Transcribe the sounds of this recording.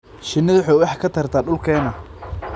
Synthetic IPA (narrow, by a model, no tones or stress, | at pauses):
ʃɪnːɪðħɔwɑħkʰɐt̪ʰɐrt̪ʰaːɗʊlkʰɛːnɐ